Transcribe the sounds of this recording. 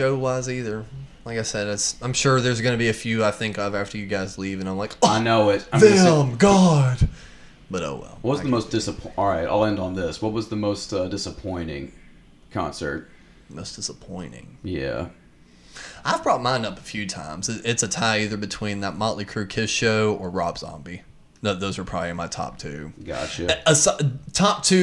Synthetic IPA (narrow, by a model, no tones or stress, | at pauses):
ʒoʊwaziðə˞laɪkaɪsɛdɨtsãɪ̃mʃʊɹðə˞zɡʌnɨbiɨfjʉaɪθɪ̃ŋkaɪvæftə˞jɨɡaɪzlivɨ̃nãɪ̃mlaɪkʌaɪnoʊɪt̚ãɪ̃ðeɪəmɡɑd̥ | b̥ʌɾo̰ʊwɛ̰lˠwʌt̚wʌzðəmoʊsd̥ɪsəpʰʔɑlˠɹaɪta̰ɪlˠɛ̃ndn̩ðɪswʌt̚wʌzðəmoʊstʌdɪsəpʰɔ̃ɪ̃ñɪ̰̃ŋ | kʰɑ̰̃nsə̰˞t̚ | moʊsd̥ɪsəpʰɔ̃ɪ̃ñɪ̰̃ŋjæ̰ | aɪvbɹɔt̚mãɪ̃ndʌpə̥fjʉtʰã̰ɪ̃mzɨɪtsɨtʰaɪiðə˞bɨtʰw̥ĩnðət̚mɑ̃ʔlikʰɹ̥ʉkʰɪsʃoʊə˞ɹɑbz̥ɑ̰̃mbi | noʊðoʊzə˞pʰɹ̥ɑbiɨ̃nmaɪtʰɑ̰p̚tʰʉɡ̥ɑ̰t͡ʃɨəstʰɑp̚tʰʉ